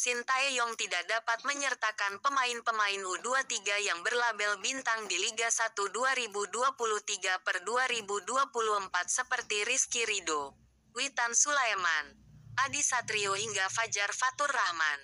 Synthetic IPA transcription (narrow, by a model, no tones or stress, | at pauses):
sint̪aɛjɔŋt̪idak̚dapat̪̚məɲərt̪akanpəmaɪnpəmaɪnmuduat̪iɡajaŋbərlabɛlbint̪aŋdiliɡasat̪uduaɾibuduapuluht̪iɡapərduaɾibuduapuluhəmpat̪̚səpərt̪iɾiskiɾido | wit̪ansulaemanʔadisat̪ɾiohiŋɡafad͡ʒarfat̪ʊrːahma̰n